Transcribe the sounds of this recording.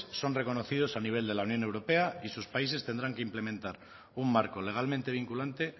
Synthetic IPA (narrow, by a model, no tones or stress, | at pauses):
so̞nre̞ko̞no̞θið̞o̞saniβ̞e̞ld̪e̞launjõ̞ne̞wɾo̞pe̞aisuspaise̞st̪e̞nd̪ɾaŋke̞imple̞mẽnt̪aɾ | umːaɾko̞le̞ɣ̞almẽ̞nt̪e̞βiŋkulant̪e